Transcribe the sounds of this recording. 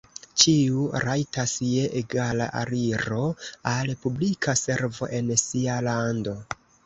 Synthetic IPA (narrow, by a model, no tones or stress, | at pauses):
t͡ʃiuɾajtasje̞ʔeɡala̰ʔa̰ɾiɾo̞alpublikʰase̞ɾvo̞̰ʔe̞nsialando̞